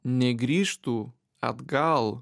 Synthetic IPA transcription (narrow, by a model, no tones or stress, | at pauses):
nʲɛɡɾʲiʃt̪u | ɐ̰d̪ɡalˠ